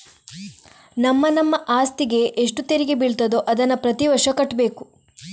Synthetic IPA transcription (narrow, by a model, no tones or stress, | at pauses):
nɐmːɐnɐmːɐʔaːst̪iɡe̞ʔeʂʈut̪eɾiɡebiɭt̪ɐd̪oʔɐd̪ɐnːɐpɾɐt̪iʋɐɾʂɐkɐʈːbe̞ːku